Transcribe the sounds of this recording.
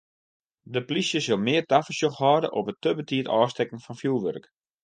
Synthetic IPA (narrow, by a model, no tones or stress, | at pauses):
dəplisjəsølˠmɪərtafəsjoxhɔːdəʔɔpətːəbətʰiətɔːstɛkəŋ̩fɔnfjulˠʋø̰rk